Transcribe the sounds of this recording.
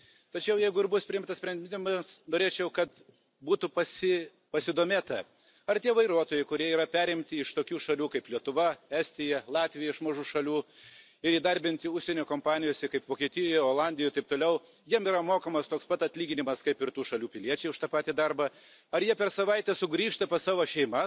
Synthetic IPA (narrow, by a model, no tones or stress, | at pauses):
t̪ɐt͡ʃʲɛʊjɛɪɡʊɪɾbʊspʲɾʲɪɪmt̪ɐsʲpʲɾʲɛnd̪ʲɪnʲɪmɐsnoːɾʲeːt͡ʃʲɛʊkɐt̪ | buːt̪ʊpɐsʲɪ | pɐsʲɪd̪oːmʲeːt̪ɐ | ɐrt̪ʲiɛʋɐɪɾuɔt̪oːjɛɪkʊɾʲiɛiːɾɐpʲæːɾʲɪmʲt̪ʲɪɪʃt̪oːkʲuːʃɐlʲuːkɐɪplʲiɛt̪ʊʋɐæsʲt̪ʲɪjɛlˠɑːt̪ʲʋʲɪjɛɪʃmɐʒuːʃɐlʲuː | ɪɾiːd̪ɐɾʲbʲɪnʲt̪ʲɪʊʃsʲɛnʲoːkoːmpɑːnʲɪjoːsʲɛkɐɪpʋoːkʲiɛt̪ʲɪjɔjjɛoːlˠɑnʲd̪ʲɪjt̪ɐɪp̚t̪oːlʲɛʊ | jiɛmiːɾɐmoːkɐmɐst̪oːkspɐt̪ɐt̪ʲlʲiːɡʲɪnʲɪmɐskɐɪpɪrt̪uːʃɐlʲuːpʲɪlʲiɛt͡ʃʲɛɪʊʃt̪ɐpɑːt̪ʲiːd̪ɐrbɐ | ɐɾjiɛpʲɛrsɐʋɐɪt̪ʲɛsʊɡɾʲiːʃt̪ɐpɐsɑːʋoːʃʲɛɪmɐ